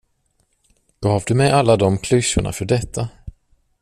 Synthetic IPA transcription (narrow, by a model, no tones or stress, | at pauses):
ɡ̥ɑːvd̪ɵmɛjalːad̪ɔmkʰlɵɕʊɳa̰fœɖɛt̪ʰːa